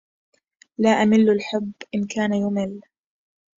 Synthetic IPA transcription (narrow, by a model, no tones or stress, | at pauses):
laːʔamɪlːalħʊbːʔɪnkʰaːnajʊmɪl